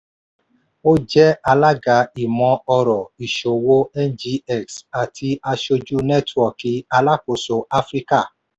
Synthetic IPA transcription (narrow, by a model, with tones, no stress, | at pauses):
o˦d͡ʒɛ˦a˧la˦ɡa˨˦i˨mɔ̃˧˦ɔ˧ɾɔ˨i˨ʃo˨wo˦ɛ˦nd͡ʒi˧˦ɛ˦˨ksa˨tʰi˧a˧ʃo˧d͡ʒu˦nɛ˦twɔ˦˨ki˨˦a˧la˦ko˨so˨˦a˦fɾi˦ka˦˨